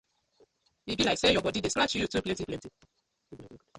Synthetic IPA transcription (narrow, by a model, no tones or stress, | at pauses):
ibilaisɛjɔbɔdideskat͡ʃijutupletipleti